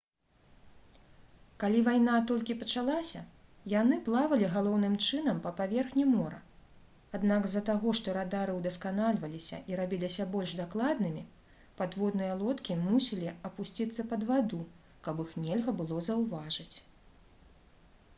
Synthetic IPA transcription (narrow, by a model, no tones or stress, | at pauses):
kalʲivajnat̪ɔlʲkʲipɐt͡ʂalˠasʲɐ | janɨplˠavɐlʲiɣalˠɔwnɨmt͡ʂɨn̪ɐmpɐpavʲɛrxnʲimɔɾɐ̰ | ad̪naɡzːɐt̪aɣɔʂt̪ɔɾad̪aɾɨwd̪ɐskanalʲvɐlʲisʲɐ̰ʔiɾabʲilʲisʲɐbɔlʲʐd̪aklˠad̪nɨmʲi | pad̪vɔd̪nɨjɐlˠɔt̪kʲimusʲilʲiɐpusʲt͡sʲit̪sːɐpɐd̪vad̪u | kɐbixnʲɛlʲɣɐbɨlˠɔzɐwvaʐɨt͡sʲ